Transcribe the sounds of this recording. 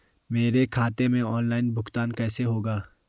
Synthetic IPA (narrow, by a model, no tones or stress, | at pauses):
meːɾekʰaːt̪emẽɔːnlaːɪnbʱʊxt̪aːnkɛːseɦoːɡaː